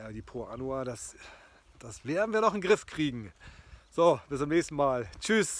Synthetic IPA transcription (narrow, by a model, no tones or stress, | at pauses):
aːdiːpʰʁoanuadas | d̥asv̥eːɐdn̩viːɐnɔχɪnɡʁɪfkʁ̥iːɡŋ̩z̥oːb̥ɪstt͡sʊmnɛːçstn̩maːlt͡ʃys